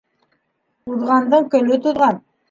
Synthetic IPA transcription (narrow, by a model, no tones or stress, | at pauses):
uðʁɑnd̪ɤɴkɵ̆lɵt̪uðʁɑn